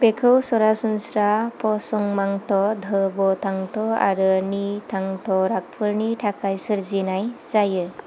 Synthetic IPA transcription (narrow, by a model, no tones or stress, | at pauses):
bekʰɯwsɔɾasunsɾapʰɔsɔŋmaŋtɔd̪ʱɯbɔtʰaŋtɔa̰ɾɯnitʰaŋtʰɔɾak̚pʰɯɾnitʰakʰajsɯɾzinajz̥ajɯ